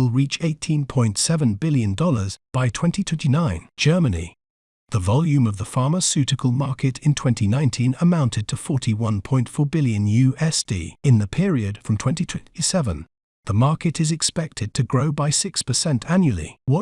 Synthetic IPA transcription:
wɪlˠɹit͡ʃeɪtʰĩnpʰɔ̃ɪ̃ntsɛvə̃nbɪlˠjɨ̃ndɔlˠə˞zb̥aɪtʰw̥ɛ̃ntitʰw̥ɛ̃ntinãɪ̃n̥d͡ʒ̥ɜ˞mɨnḭ | ðəvɑlˠjʉ̃mʌvðəfɑɹməsʉɾɨkʰəl̩ˠmɑɹkɨɾɨ̃ntʰw̥ɛ̃ntʰinãɪ̃ntʰĩnəmãʊ̃ntʰɨd̚tʰəfɔɹɾiwʌ̃npʰɔ̃ɪ̃ntfɔɹbɪlˠjɨ̃njʉɛsd̥ḭɨ̃nðɨpʰɪɹiɨd̥fɹʌ̃mtʰw̥ɛ̃ntitʰwɛ̃isɛvə̃n | ðəmɑˑɹkɨɾɨzɨkspɛk̚tʰɨd̚tʰɨɡɹoʊbaɪsɪkspəsɛ̃ntʰæ̃njʉl̩ˠḭwʌt

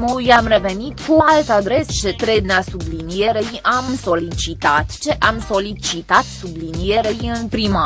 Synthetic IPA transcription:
mujamre̞ve̞nit̪kualt̪ad̪ɾe̞st͡ʃe̞t̪ɾeneasublinije̞ɾeamso̞lit͡ʃit̪at̪t͡ʃe̞ʔamso̞lit͡ʃit̪at̪sublinije̞ɾejɨnpɾima

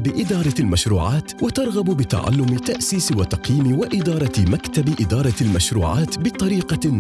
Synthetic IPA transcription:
bɪʔɪd̪ɑːɾˤɑlmaʃɾuːʕaːt̪wɪt̪ɑɾˤɣabbɪt̪a̰ʕa̰lːʊmɪt̪aʔsiːswat̪ɑqjiːmɪwɪʔɪd̪ɑːɾˤɑmakt̪abʔɪd̪ɑːɾˤɑlmaʃɾuːʕa̰ːt̪bɪt̪ˤːɑɾiːqɑnː

